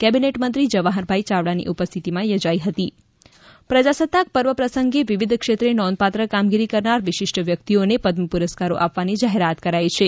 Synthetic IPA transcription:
kɛbineʈmənt̪ɾid͡ʒəʋaɦəɾbʱait͡ʃaʋɭanḭʔupəst̪ʰit̪imãjod͡ʒaiɦət̪i | pɾəd͡ʒasət̪ːak̚pəɾʋəpɾəsəŋɡeʋiʋid̪ʱkʃet̪ɾenɔ̃nd̪̚pat̪ɾəkamɡiɾikəɾnaɾʋɪʃɪʂʈʋjək̚t̪ionepəd̪məpuɾəskaɾo̰ʔapʋanid͡ʒaɦeɾat̪kəɾajt͡ʃʰe

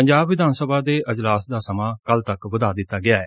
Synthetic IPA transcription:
əɲd͡ʒaːbʋɪd̪ʱaːnsəbʱaːd̪eːəd͡ʒlaːsd̪aːsəmaːkəlt̪əkʋəd̪aːd̪ɪt̪ːaːɡɪaːɛː

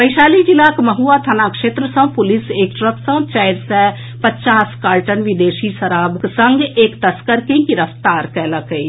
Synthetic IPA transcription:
pəɪʃaːlid͡ʒilakmɐɦuːat̪ʰənakʃeːt̪ɾəsə̃pʊlɪseːk̚ʈɾəksə̃t͡ʃaɪɾsɛ | pət͡ʃaːskaːlʈənʋɪd̪eːʃiʃəɾaːbksə̃ŋɡeːkt̪əskəɾkẽkiɾəft̪aːɾkɛːlakəi

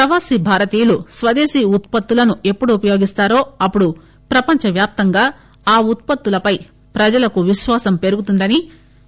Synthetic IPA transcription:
pɾɐʋaːsibʱaːɾɐt̪iːjlusʋɐd̪eːʃiːut̪̚pɐt̪ːulɐnue̞pːuɽuupɐjo̞ːɡist̪aːɾo̞ːɐpːuɽu | pɾɐpɐɲt͡ʃɐʋjaːp̚t̪ɐŋɡaː | aːut̪̚pɐt̪ːulɐpɐj | pɾɐd͡ʒɐlɐkuʋiʃʋaːsɐmpe̞ɾuɡut̪und̪ɐni

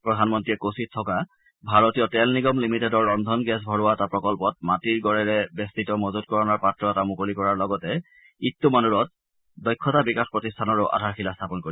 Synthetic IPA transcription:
pɹɔdʱanmɔntɹijɛkosit̚tʰːɔka | bʱaɹɔtiɔtɛlniɡɔmlimitedɔɹːɔndʱɔnɡɛs̬bʱɔɹʊwatapɹɔkɔlpɔt̚matiɹɡɔɹɛɹɛbɛstitɔmɔzutkɔɹɔnɔɹpatɹɔɛtamʊkolikɔɹaɹlɔɡɔtɛ | itːumanuɹɔt̚ | dɔjkʰːɔtabikaxpɹɔtistʰanɔɹʊʔa̰dʱaɹxilastʰapɔnkoɹi

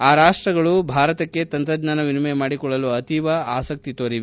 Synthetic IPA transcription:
aːɾaːʂʈɾɐɡɐɭubʱaːɾɐt̪ɐkːe̞t̪ɐnt̪ɾɐd̪naːnɐʋinmemaːɽikɔɭːɐluɐt̪iʋɐaːsɐk̚t̪it̪oːɾiʋ

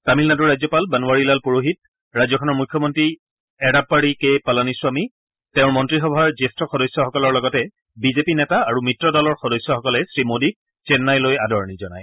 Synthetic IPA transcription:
tamilnadɔɹajzɔpalbanuwaɹilalpuɹoɦit̚ | ɹajzɔkʰɔnɔɹmukʰːjɔmɔntɹi | ɛɾab̚aɹikejpalanisʊami | tɛʊ̃ɹmɔntɹixɔbʱaɹzestɔxɔdɔjsjɔxɔkɔlɔɹlɔɡɔtɛ | bizepinɛtaːɹumitɹɔdɔlɔɹxɔdɔjsjɔxɔkɔlɛsɹimodik̚ | sɛnːajlojadɔɹɔnizɔna̰j

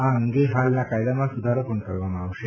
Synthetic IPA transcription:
ãəŋɡeɦalnakajd̪amasud̪ʱaɾopuɳkəɾʋamaʋʃe

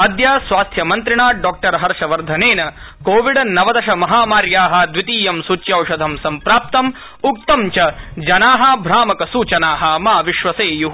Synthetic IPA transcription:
ɐd̪jaːsʋaːst̪ʰjɐmɐnt̪ɾiɳaːɖɔːk̚ʈɐɾɦɐɾʂɐʋɐɾd̪ʱɐneːnɐ | koːʋiɖɐnɐʋɐd̪ɐʃɐmɐɦaːmaːɾjaːɦɐ̆d̪ʋit̪iːjɐmsuːt͡ʃjɐwʂɐd̪ʱɐmsɐmpɾaːp̚t̪ɐm | uk̚t̪ɐmt͡ʃɐd͡ʒɐnaːɦɐbʱɾaːmɐkɐsuːt͡ʃɐnaːɦɐmaːʋiʃʋɐseːju

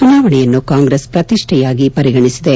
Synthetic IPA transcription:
t͡ʃunaːʋɐɳɛjɐnːukaːŋɡɾeːspɾɐt̪iʂʈʰɛjaːɡipɐɾiɡɐɳisid̪e

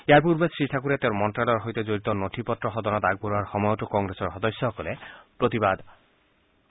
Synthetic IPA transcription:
eajpuɾbesɹiʈʰakuɾet̪eʊɾmɔntɾalɔɹɦojt̪ed͡ʑoɾit̪ɔnoʈʰipɔt̪ːɾɔɦɔd̪ɔnɔt̪aɡ̚boɾuaɹxɔmɔjɔtukɔŋɡɾesɔɹɦɔd̪ɔsːɔɦɔkɔlepɾot̪ibad̪

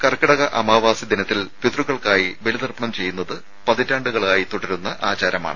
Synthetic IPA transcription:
kɐrkɐɽɐɣɐʔɐmaːʋaːsid̪inɐt̪ːilpit̪ruɣɐɭkaːjiʋelid̪ɐrpɐɳɐmt͡ɕe̞jːunːɐðɨ | pɐðitːaːɳɖuɣɐɭaːjit̪uɽɐɾunːɐʔaːt͡ɕaːɾɐma̰ːɳɨ

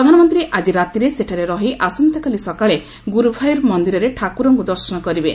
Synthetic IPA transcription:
ɾɔd̪ʱanɔmɔnt̪ɾiʔad͡ʒiɾat̪iɾeseʈʰaɾeɾɔɦiʔasɔnt̪ɔkalisɔkaɭe | ɡuɾubʱajɔɾmɔnd̪iɾɔɾeʈʰakuɾɔŋɡud̪ɔɾsɔnɔkɔɾibe

